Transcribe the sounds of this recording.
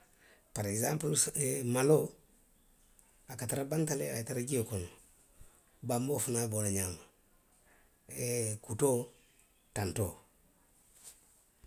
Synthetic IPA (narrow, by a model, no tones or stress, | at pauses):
paɾekzãmpulsmalo | akataɾabantalḛataɾaɡiokon | bambofunabonaɲama | ekuto | tantoː